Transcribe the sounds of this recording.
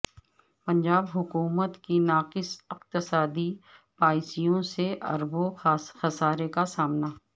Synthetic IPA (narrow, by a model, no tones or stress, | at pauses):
pɐ̃ɲd͡ʒaːbɦʊkuːmət̪kinaːqɪsɪqt̪ɪsaːd̪ipaːɪsijõseʔɐ̰ɾboxɐsaːɾekasaːmnaː